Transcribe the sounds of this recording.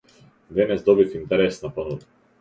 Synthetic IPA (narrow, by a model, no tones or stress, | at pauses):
d̪ɛnɛzd̪ɔbifint̪ɛɾɛsnapanuv